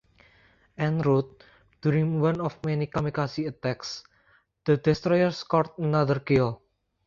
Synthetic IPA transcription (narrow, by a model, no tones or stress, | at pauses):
ʔɛnɾut̪̚ | d̪̥uɾiŋwãnɔfmɛnikamikasiət̪ɛks | d̪̥əd̪̥ɛst̪ɾɔjərskɔrt̪̚ənaðərkiɔ